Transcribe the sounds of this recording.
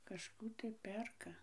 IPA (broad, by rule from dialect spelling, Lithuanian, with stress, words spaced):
kɐʃˈkuː tɐɪ ˈpʲɛrkɐ